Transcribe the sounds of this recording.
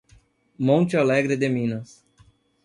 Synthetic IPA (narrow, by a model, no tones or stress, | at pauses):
mõnt͡ʃɪalɛɡɾɪd̪emĩnɐs